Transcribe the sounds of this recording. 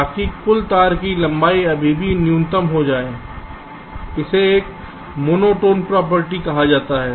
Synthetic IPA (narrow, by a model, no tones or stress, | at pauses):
aːkikʊlt̪aːɾkilɐ̃mbaːiɐbʱibʱinɪjũnt̪əmɦod͡ʒaːeː | ɪseeːk | moːnoːʈoːnpɾaːp̬əɾʈikɐɦad͡ʒaːt̪aɦɛː